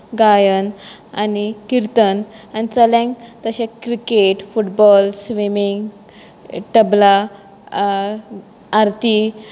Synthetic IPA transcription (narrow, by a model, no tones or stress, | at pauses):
ɡajən | anikiɾt̪ənanit͡səlɛ̃ŋkt̪əɕẽkɾikeʈfuʈbɔlsʋimiŋɡ | ʈəbla | aɾt̪i